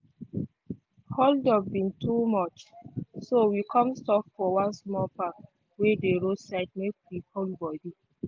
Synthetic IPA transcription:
holdɔbĩntumɔt͡ʃsowikʰɔ̃mstɔpfɔwãnsmɔpak | wedeɹosaɪt̚mek̚wiholbɔdi

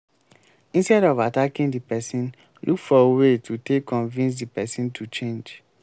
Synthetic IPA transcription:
ĩnstɛɾɔvatakĩndipɛsĩn | lʔukfɔewetʰutekːɔ̃nvĩns̬dipɛsĩntʰut͡ʃẽnd͡ʒ

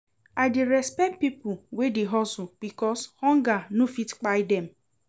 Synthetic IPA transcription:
aɪdɪɾɛspɛk̚t̚pipʊwedɪɦɔsʊb̥ikɔshɔ̃ŋɡanofitk͡paɪdɛm̩

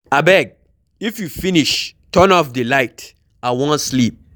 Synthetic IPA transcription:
abɛɡ̚ | ifjufiniʃtʰɜ̃nɔfdəlaɪt | awɔ̃nslip̚

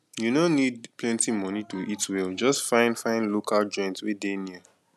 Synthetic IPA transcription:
junonid̚plɛ̃ntimɔnituʔitwɛld͡ʒɔstfãɪ̃nfãɪ̃nlokʰald͡ʒɔ̃j̃ntwedeni

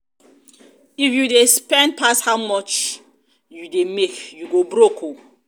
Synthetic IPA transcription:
ifjudespɛ̃nd̚pʰashawmɔt͡ʃ | judemekjuɡobɾokʰo

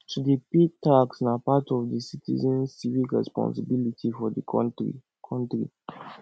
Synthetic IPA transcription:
tudipitaksnapatɔvdəsitḭzɛ̃nsivikɹɛ̰spɔ̰̃nsibilitʰifɔdəi | kʰãntɹḭ

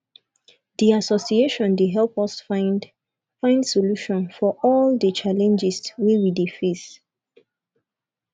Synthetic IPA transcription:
diasɔsieʃɔ̃ndeɦɛlpɔsf | fãɪ̃ndsoluʃɔ̃nfɔʔɔldət͡ʃalɛ̃nd͡ʒɪswiwidefes

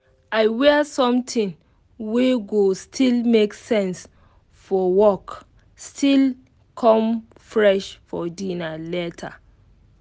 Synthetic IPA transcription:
aɪwɛsɔ̃mtʰĩn | weɡostʰilmeksɛ̃ns | fɔwɔk | stʰil | kʰɔ̃m | fɹɛʃfɔdĩnalɛtʰa̰

